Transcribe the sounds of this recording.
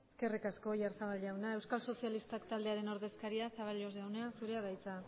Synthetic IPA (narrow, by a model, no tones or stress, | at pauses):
eske̞rikasko̞jaɾsaβalɟawnae̞wskalso̞sialist̪akt̪ald̪e̞aɾe̞no̞ɾðe̞skaɾiasaβ̞alo̞zawneasuɾe̞aðajt͡sa